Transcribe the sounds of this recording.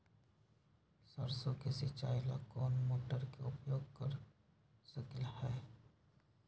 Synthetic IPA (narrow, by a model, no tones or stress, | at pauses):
sɐɾsõkesit͡ʃaːɪla̰kɔːnmoːʈəɾkeʊpjoːɡkɐɾ | səkɪlhɛː